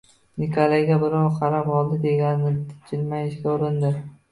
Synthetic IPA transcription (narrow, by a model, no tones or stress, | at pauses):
nɪkʰolˠeɡʲabɪɾɒwqʰɑɾapɒlˠd̪ɪd̪e̞ɡʲanɪnɪt̪ʰɪ̥t͡ʃʰɪlmajɪʃkʲaʊɾɪnd̪ɪ